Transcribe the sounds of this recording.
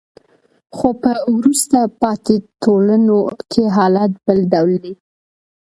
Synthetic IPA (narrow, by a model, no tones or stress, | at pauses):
xopəwɾust̪apɑt̪et̪olanokʰeɦɑlat̪bəlɖawld̪e